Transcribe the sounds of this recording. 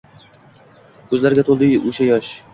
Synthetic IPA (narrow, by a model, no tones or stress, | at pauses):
kʰɵzlaɾɪɡʲat̪ʰolˠd̪ɪoʃajɒʃ